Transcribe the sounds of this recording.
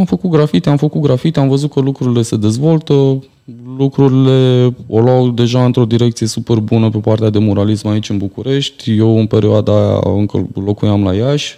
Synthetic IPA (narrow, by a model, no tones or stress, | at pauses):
amfəkut̪̚ɡɾafit̪eamfəkut̪ɡɾafit̪eamvəzut̪̚kəlukɾuɾile̞se̞d̪e̞zvo̞lt̪ə | lukɾuɾile̞olwawd̪e̞ʒaɨnt̪ɾo̞d̪iɾe̞k̚t̪sije̞supe̞rbunəpepart̪ead̪e̞mo̞ɾalismait͡ʃʲɨnbukuɾe̞ʃt̪ʲje̞wɨnpe̞ɾioad̪aa̰ɨŋkə̰lo̞kujamlajaʃʲ